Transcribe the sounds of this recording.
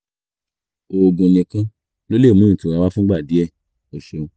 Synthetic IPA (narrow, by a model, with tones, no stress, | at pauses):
o˨˧ɡũ˧˨nĩ˧kã˦ | lo˦le˦˨mũ˦˨tũ˨ɾa˧wa˦fũ˦ɡ͡ba˦˨di˨˦ɛ˦˨ | ɔ˨ʃɔ˧